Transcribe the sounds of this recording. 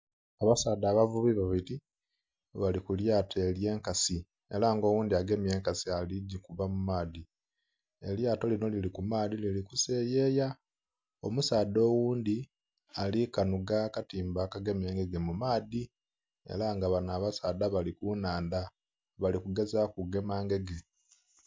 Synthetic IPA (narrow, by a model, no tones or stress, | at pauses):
aβasaːd̪aːβavuβiβaβiti | βalikuljaːtelje̞ːŋkasi | e̞̰laːŋɡo̞wuːnd̪iaɡe̞mje̞ːŋkasialiɟikuβamumaːdi | eljaːto̞lino̞lilikumaːd̪ililikuse̞ːjeːja | o̞̰musaːd̪o̞ːwuːnd̪i | alikanuɡakatiːmbakaɡe̞me̞ːŋɡe̞ɡe̞mumaːði | e̞̰laŋɡaβanaβasaːd̪aβalikunaːnd̪a | βalikuɡe̞zakuɡe̞maːŋɡe̞ɡe̞